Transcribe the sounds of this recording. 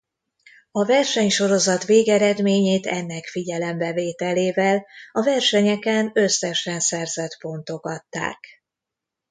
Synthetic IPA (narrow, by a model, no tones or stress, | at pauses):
ɒvɛrʃɛɲʃo̞ɾo̞zɒt̪ʋeːɡɛɾɛd̪meːɲeːt̪ɛnːɛkfiɟɛlɛmbɛveːt̪ɛleːvɛlɒvɛrʃɛɲɛkɛnø̞sɛʃɛnsɛrzɛt̪bo̞nt̪o̞ɡɒt̪ːa̰ːk